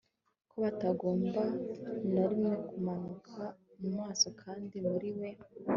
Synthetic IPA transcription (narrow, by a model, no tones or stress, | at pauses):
koβataɡo̞ːmbanoɾimŋe̞kumanukʰamumŋaːso̞kʰaːndimuɾiwe̞